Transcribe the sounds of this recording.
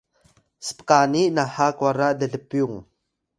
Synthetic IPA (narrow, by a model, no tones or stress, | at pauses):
spkaːniʔnahakwaɾaʔdəɮəpyŋ